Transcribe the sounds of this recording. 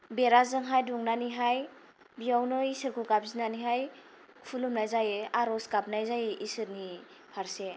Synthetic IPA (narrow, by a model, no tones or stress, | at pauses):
beɾazɯŋɦajduŋnaniɦaj | bijawnɯisɯɾkʰukap̚zinaniɦaj | kʰulumnajzajeaɾɔskap̚najzajeʔisɯɾni | pʰaɾse